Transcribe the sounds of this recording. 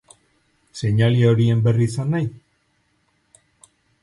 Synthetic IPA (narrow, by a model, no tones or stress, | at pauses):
se̞ɲalio̞ɾie̞mbe̞riːsanːaj